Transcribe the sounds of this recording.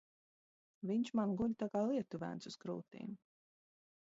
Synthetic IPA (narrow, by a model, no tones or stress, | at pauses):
viɲt͡ʃmanɡuʎʲt̪akaːlˠiɛt̪uvæ̰ntsuskɾuːt̪ḭːm